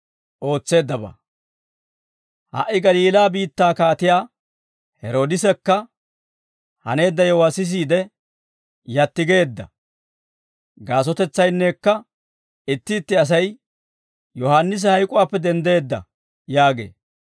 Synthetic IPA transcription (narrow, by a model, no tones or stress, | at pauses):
ʔo̞ːt͡sːe̞ːd̪ːɐba̰ | ha̰ʔːɪɡɐliːlaːbiːt̪ːaːkaːt̪ɪjaː | hɛɾo̞ːd̪ɪsɛkːɐ | hɐ̰ne̞ːd̪ːɐjɔwasɪs̬iːd̪ɛ | jɐt̪ːɪɡe̞ːd̪ːɐ̰ | ɡaːs̬ɔt̪ɛt͡sːɐjnːekːɐ | ɪt̪ːɪːt̪ːɪɐs̬ɐj | jɔhanːɪs̬ɛhɐjkʼʊwaːpːɛd̪ɛnd̪e̞ːd̪ːɐ̰ | jaːɡe̞̰ː